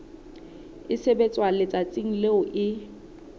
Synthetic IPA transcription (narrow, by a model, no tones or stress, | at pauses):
ɪsebet͡sʼwalɪt͡sʼat͡sʼiŋ̩leʊʔɪ